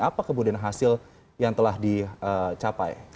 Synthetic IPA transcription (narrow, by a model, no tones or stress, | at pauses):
apakəmudianɦasɪl | jaŋt̪əlahdiət͡ʃapa̰j